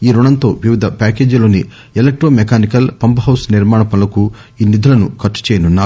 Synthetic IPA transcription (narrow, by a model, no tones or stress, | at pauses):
iːɾuɳɐnt̪o̞ːʋiʋid̪ʱɐpaːke̞ːd͡ʒlo̞ːni | elek̚ʈɾoːmekaːnikɐlpɐmpɐɦɐwsniɾmaːɳɐpɐlɐku | iːnid̪ulɐnukɐt͡ʃːu̥t͡ʃeːjɐnunːaːu